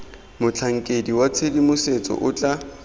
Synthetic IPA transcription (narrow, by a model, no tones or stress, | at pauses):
mʊt͡ɬʰaŋ̩kʼediwat͡sʰedimʊset͡sʼɔ̰ʔʊt͡ɬʼa